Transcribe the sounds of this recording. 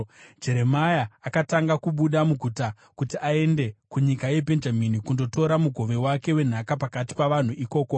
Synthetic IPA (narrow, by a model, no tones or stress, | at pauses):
d͡ʒe̞ɾe̞majaːkataŋɡakuɓuɗamuɡʱuta | kutiʔae̞nde̞kuɲikaje̞bʱe̞nd͡ʒaminikundo̞to̞ɾamuɡʱo̞ʋe̞wake̞we̞n̤akapakati̥paʋan̤uʔiko̞ːko